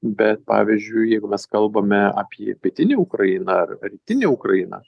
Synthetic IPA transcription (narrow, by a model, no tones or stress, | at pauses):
bʲɛt̪̚pɑ̰ːʋʲizʲd͡ʒʲʊɪjɛɪɡʊmʲɛskɐlˠbɐmʲɛɑ̰ːpʲiɛpʲiɛt̪ʲɪnʲeʊkɾɐjɪnɐɐrɾʲiːt̪ʲɪnʲeʊkɾɐjɪnɐ̰